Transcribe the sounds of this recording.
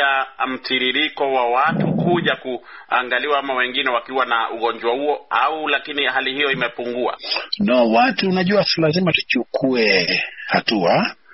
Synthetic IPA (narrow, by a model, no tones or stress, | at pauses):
am̩tʰiɾiɾikɔwawatukuʄakua̰ŋɡaliwaamawɛŋɡinɛwakiwanaʔuɣɔɲd͡ʒwahuɔaulakinihalihijɔimɛpuŋɡua̰nɔwatuːnaʄuasilazimatu̥t͡ʃukʰuɛhatua